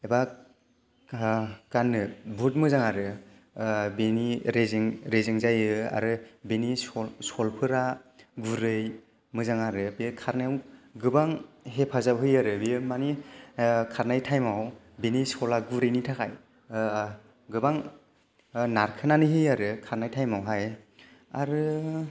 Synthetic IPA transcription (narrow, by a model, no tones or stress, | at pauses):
eba | kanːɯbʱut̚mɯzaŋaɾɯ | beniɾeziŋɾeziŋzajɯa̰ɾɯbenisɔlpʰɯɾaɡuɾɯj | mɯzaŋaɾɯbekʰaɾnawɡɯbaŋɦepʰazawɦɯjaɾɯbimani | kʰaɾnajtʰajmaw | benisɔlaɡuɾɯjnitʰakʰaj | ɡɯbaŋ | naɾkʰɯnanɯɦɯjaɾɯkʰaɾnajtʰajmawɦaj | a̰ɾɯ